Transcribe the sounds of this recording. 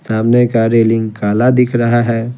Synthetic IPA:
saːmnekaɾeːlɪ̃ŋɡkaːlad̪ɪkʰɾəɦaɦɛː

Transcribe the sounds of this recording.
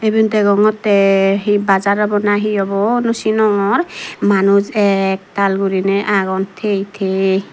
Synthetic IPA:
ebint̪ɛɡɔŋɔt̪ɛɦibazaɾɔbɔnaɦiɔbɔnusinɔŋɔɾmanuzɛk̚t̪alɡuɾinɛʔaɡɔnt̪ʰejt̪ʰe

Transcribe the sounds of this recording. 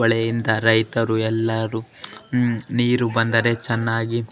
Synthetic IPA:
ɐɭɛjind̪ɐɾɐjt̪ɐɾuɛlːɐɾu | niːɾubɐnd̪ɐɾe̞t͡ʃɛnːaːɡi

